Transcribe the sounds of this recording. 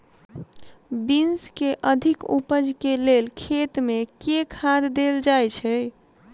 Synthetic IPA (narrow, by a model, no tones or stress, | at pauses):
binskeʔəd̪ʱikṵpəd͡ʒkelelkʰet̪mekekʰad̪ːeld͡ʒajt͡ʃʰɛ